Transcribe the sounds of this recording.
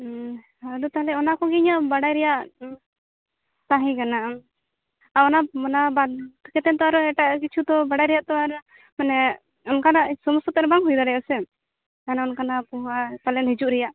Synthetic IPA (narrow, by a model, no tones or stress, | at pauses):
aɾut̪alɛɔnakɔɡɛɲaʔbaɽajɾɛjaʔ | t̪aɦɛ̃kana | aɔnaɔnabakɛt̪ɛnt̪ɔaɾɛʈaʔkit͡ʃʰud̪ɔbaɽajɾɛjaʔt̪ɔaɾ | manɛ | ɔnkanaʔsɔmsɔt̪ɛɾbaŋɦujd̪aɾɛjasɛ | kanaɔnkanapɔɦat̪alɛnɦid͡ʒuʔɾɛjaʔ